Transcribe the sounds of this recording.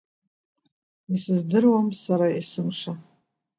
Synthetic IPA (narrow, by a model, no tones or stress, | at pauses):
isɨzdɨrwamsaɾaisɨmʂa